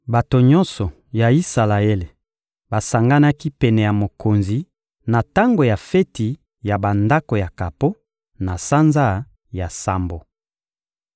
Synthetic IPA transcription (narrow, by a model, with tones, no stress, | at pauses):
ba˨to˨ɲɔ̃˦nsɔ˨ | ja˨i˦sa˨la˨e˦le˨ | ba˨sa˨ŋɡa˦na˦ki˦pɛ˨nɛ˨ja˨mo˨ko˨nzi˨ | na˨ta˦ŋɡo˨ja˨fɛ˦ti˨ | ja˨ba˨nda˦ko˨ja˨ka˨po˦ | na˨sa˦nza˦ | ja˨sa˨mbo˨